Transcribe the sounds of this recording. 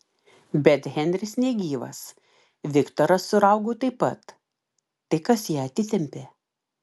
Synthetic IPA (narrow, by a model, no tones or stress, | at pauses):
bʲɛt̪ɣʲɛnʲd̪ʲɾʲɪsnʲɛɡʲiːʋɐ̰s | ʋʲɪkt̪oːɾɐsːʊɾɐʊɡoːt̪ɐɪpɐt̪ː | ɐɪkɐsjiːɐt̪ʲɪt̪ʲɛmʲpʲeː